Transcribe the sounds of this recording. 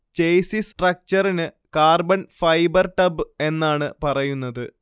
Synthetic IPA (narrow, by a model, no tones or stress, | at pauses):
t͡ɕejsisʈrɐk̚t͡ɕɐrinɨ | kaːrbɐnfɐjbɐrʈɐbɨe̞nːaːɳɨpɐrɐjunːɐðɨ